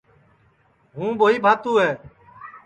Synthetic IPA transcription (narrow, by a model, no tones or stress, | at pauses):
ɦũːboːiːbʱaːt̪uːɦɛː